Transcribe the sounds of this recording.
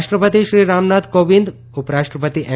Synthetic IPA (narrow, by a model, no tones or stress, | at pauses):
ʃʈɾəpət̪iʃɾiɾamnat̪koʋind̪ | upəɾaʃʈɾəpət̪iʔɛ